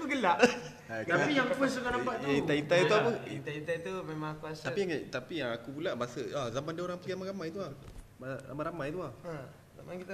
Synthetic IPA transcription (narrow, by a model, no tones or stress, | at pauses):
əɡəlaʔ | at̪apijaŋuasulanampaʔ̪ait̪ait̪ajt̪uapəit̪ait̪ajt̪umemãŋakuasapiaŋt̪apijaŋakupulaʔmasəazamandiəoɾaŋpəɡiamaɾamajt̪uahmaa̰maɾamajt̪uahə | a̰mãŋkit̪a